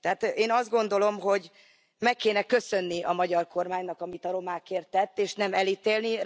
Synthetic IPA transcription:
t̪ɛɦat̪eːnɒzd̪ɡo̞nd̪o̞lo̞mɦo̞ɟ | mɛkːeːnɛkø̞sønːiɒmɒɟɒrko̞rmaːɲnɒkɒmit̪ɒɾo̞maːkeːrt̪ːɛt̪ːeːʃnɛmɛliːt̪eːlni

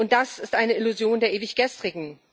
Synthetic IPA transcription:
ʔʊnt̚d̥asɪstʔaɪnəɪluzjoːndeːɐeːvɪçɡ̥ɛstʁ̥ɪɡŋ̩

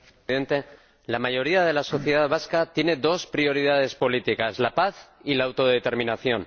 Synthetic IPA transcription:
ðe̞nt̪e | lamaʝo̞ɾiaðe̞laso̞θjeðaðβaskat̪je̞ne̞ðo̞spɾio̞ɾið̞að̞e̞spo̞lit̪ikazlapaθilaːwt̪o̞ðet̪e̞ɾmĩnaθjo̞n

